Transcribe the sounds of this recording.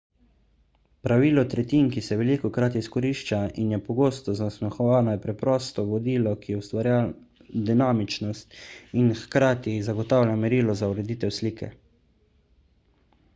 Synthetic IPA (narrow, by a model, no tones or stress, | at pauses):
pɾaʋiːlɔt̪ɾɛt̪iːnkisɛʋɛlikɔkɾat̪iskɔɾiːʃt͡ʃainjɛpɔɡoːst̪ɔzasmɛxɔʋaːnɔjɛpɾɛpɾɔst̪ɔʋɔd̪iːlɔkijɛwst̪ʋaɾja | d̪inaːmit͡ʃnɔst̪inxkɾaːt̪izaɡɔt̪awlʲjamɛɾiːlɔzauɾɛd̪iːt̪ɛwsliːkʰɛ̰